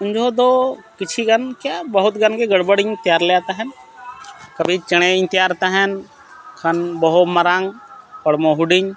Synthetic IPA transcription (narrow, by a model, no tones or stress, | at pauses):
ʊnd͡ʒʱod̪oːkɪt͡ʃʰiɡənkjaːbəɦʊt̪ɡənkeɡəɽbəɽɪɲt̪ɪjaːɾleat̪aɦɛn | kəbʱit͡ʃəɽ̃eɪɲt̪ɪjaːɾt̪aɦɛn | kʰənbəɦʊməɾaŋpəɽmõɦʊɖɪɲ